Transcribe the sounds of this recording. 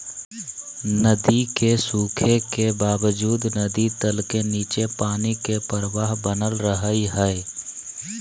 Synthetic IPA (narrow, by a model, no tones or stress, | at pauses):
nəd̪ikesuːkʰekebaːʋəd͡ʒuːd̪nəd̪it̪əlkeniːt͡ʃepaːnikepəɾʋaːɦbənəlɾəɦəiɦɛe